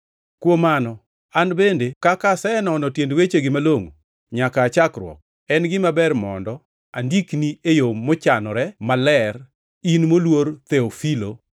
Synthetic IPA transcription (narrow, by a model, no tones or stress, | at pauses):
kwomanɔ | anbendekakasɛnɔnɔtjendwet͡ʃeɡɪmaloŋo | ɲakaːt͡ʃakɾwɔ̰k̚ | ɛnɡɪmabɛrmɔ̰ndɔ | a̰ndikniejomot͡ʃanɔɾɛmalɛɾ | inmolwoɾt̪eofilo